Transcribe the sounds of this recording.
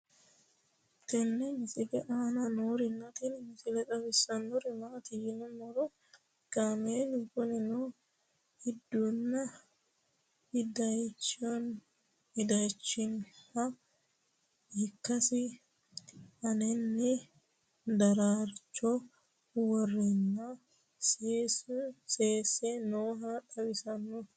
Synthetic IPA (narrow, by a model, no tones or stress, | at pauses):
t̪ɛnːɛmɪsʼɪɡɛʔananoːɾɪnːɐt̪inmɪsɪlɛtʼɐbɪsːɐnɔɾɪmaːt̪ɪjɪnɛnːɔɾɔ | ɡ̥amenɪkʊnɪno | hɪd̪ːunːɐ | ɪd̪ɐjt͡ʃːon | ɪd̪ɐjt͡ʃːɪnhɐ | hɪkːɐsɪ | ʔɐnɛnːɪ | d̪ɐɾaːɾt͡ʃːɔ | wɔrːɪnːɐ | seːsenoːɦɐᶑɐbɪsɐnːʊ